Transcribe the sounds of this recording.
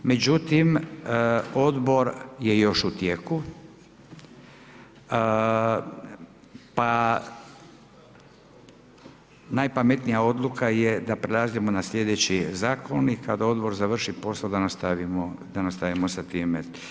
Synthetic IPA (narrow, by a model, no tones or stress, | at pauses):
me̞d͡ʑut̪im | o̞d̪bo̞ɾje̞jo̞ʃut̪jeku | pa | najpame̞t̪nijao̞d̪lˠukaje̞d̪apɾelaziemo̞naslʲje̞d̪et͡ɕizaːko̞nikad̪ao̞d̪bo̞ɾzaʋr̩ʃipo̞saod̪anast̪aʋimod̪anast̪aʋimosat̪iːme